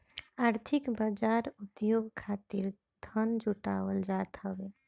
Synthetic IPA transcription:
aɾt̪ʰikbəd͡ʒaɾut̪joɡkʰat̪iɾ | d̪ʱənd͡ʒuʈa̰wəld͡ʒat̪ɦəbe

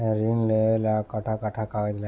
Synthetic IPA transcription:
ɾinlelakəʈʰakəʈʰakaʋed̪la

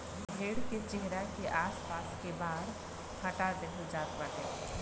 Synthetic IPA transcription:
bʱeːɽket͡ʃeɦɾakeʔaːspaːskebaːɾ | hɐʈad̪eɦod͡ʒaːt̪ʋatẽː

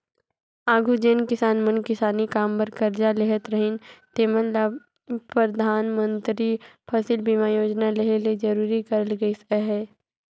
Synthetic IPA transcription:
aːɡʱud͡ʒeːnkɪsaːnmə̃nkɪsaːnikaːmpəɾkɐɾd͡ʒaleɦət̪ɾɐɦɪnt̪eːməlːa | pɾɐd̪ʱaːnmə̃nt̪ɾipʰɐsɪlbiːmaːjoːd͡ʒnaleɦeled͡ʒɐɾuːɾikɐɾəlɡɐisɛɦɛː

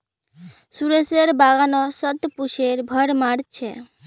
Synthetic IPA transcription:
suɾeseɾbaɡanɔsət̪puʃeɾbʱəɽmaɽt͡ʃʰe

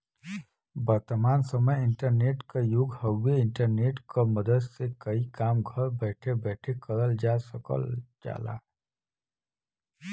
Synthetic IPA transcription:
bəɾt̪əmaːnsəməjɪɳʈəɾneːʈkajʊɡhəweɪɳʈəɾneːʈkaməd̪əd̪sekəikaːmɡʱəɾbɛːʈʰebɛːʈʰekəɾəld͡ʒaːsəkə̰ld͡ʒa̰ːla̰ː

